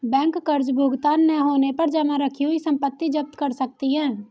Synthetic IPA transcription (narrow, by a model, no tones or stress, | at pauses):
bɛ̃ːŋkːəɾd͡ʒbʱʊɡt̪aːnːɛɦoːnepɐɾd͡ʒɐmãɾəkʰiɦuisə̃mpət̪ːid͡ʒəp̚t̪kəɾsək̚t̪iɦɛ̃ː